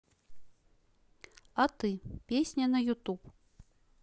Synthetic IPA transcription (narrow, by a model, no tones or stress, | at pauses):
ɐt̪ɨpʲesʲnʲɐnɐjut̪up